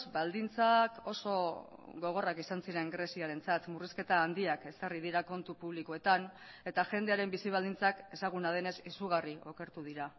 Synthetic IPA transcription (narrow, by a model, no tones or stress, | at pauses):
zbald̪int͡sako̞so̞ɣo̞ɣ̞o̞rakisansiɾe̞ŋɡɾe̞siaɾe̞nt͡sat̪muriske̞t̪aːnd̪iake̞sarið̞iɾako̞nt̪upuβ̞likoe̞t̪an | e̞t̪aʝe̞nd̪e̞aɾe̞mbisiβ̞ald̪int͡sake̞saɣ̞unaðe̞ne̞sisuɣ̞ario̞ke̞ɾt̪uð̞iɾa